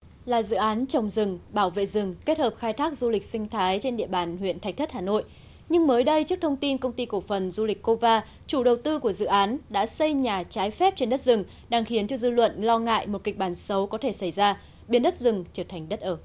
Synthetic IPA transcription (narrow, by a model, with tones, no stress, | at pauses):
laː˨˩zɨ̰˧˨ʔaː˨˦nt͡ɕə˨˩wŋ͡mzɨ˨˩ŋɓaː˧˩wvḛ˧˨zɨ˨˩ŋke˦˥t̚həː˨˩p̚xaː˧jt̪ʰaː˦˥k̚zu˧lï˨˩k̟̚sï˧ŋ̟t̪ʰaː˨˦jt͡ɕe˧nɗḭ˧˨əɓaː˨˩nɦwḭ˧˨ənt̪ʰa˨˩k̚t̪ʰə˦˥haː˨˩no̰˧˨j | ɲɨ˧ŋməː˨˦jɗə˧jt͡ɕək̚t̪ʰə˧wŋ͡mt̪i˧nkə˧wŋ͡mt̪i˧ku˧˩əfə˨˩nzu˧li˨˩k̟ko˧vaː˧ | t͡ɕu˧˩ɗə˨˩wt̪ɨ˧ku˧˩əzɨ̰˧˨ʔaː˨˦nɗa̰ː˧˥sə˧jɲaː˨˩t͡ɕaː˨˦jfɛ˦˥p̚t͡ɕe˧nɗə˦˥t̚zɨ˨˩ŋ | ɗaː˧ŋxi˨˦ənt͡ɕɔ˧zɨ̰˧lwə̰˧˨nlɔ˧ŋa̰ː˧˨jmo˨˩t̚kï˨˩k̚ɓaː˧˩nsə˨˦wkɔ˨˦t̪ʰe˧˩sa˧˩jzaː˧ | ɓi˧ənɗə˦˥t̚zɨ˨˩ŋt͡ɕəː˧˩t̪ʰa˨˩ŋ̟ɗə˦˥t̚ʔəː˧˩